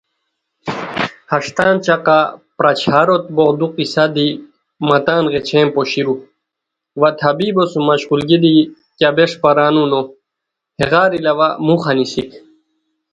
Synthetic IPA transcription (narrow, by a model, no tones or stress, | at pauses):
hɐʂt̪aːnt͡ɕaqapɾat͡ɕʰaːɾot̪bod̪uqisad̪i | mɐt̪aːnɣet͡ɕʰẽːmpoɕiɾu | ʋat̪ʰɐbibosumɐɕʁulɡid̪i | kabeʂpaɾaːnuno | heɣaːɾilɐʋamuxɐnisik